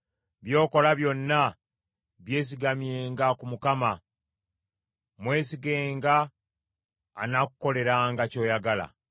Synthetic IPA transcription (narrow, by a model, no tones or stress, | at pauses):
βjo̞ːko̞laβjo̞nːa | βje̞ːs̬iɡamje̞ːŋɡakumukama | mwe̞ːsiɡe̞ːŋɡa | nakuko̞le̞ɾaŋɡaco̞ːjaɡala̰